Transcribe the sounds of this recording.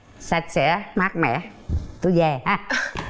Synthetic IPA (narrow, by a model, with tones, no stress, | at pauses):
sa˧˩t̚sɛ̰˧˥ma˦˥k̚mɛ̰˧˨ | t̪u˧˦zɛ˨˩haː˧˦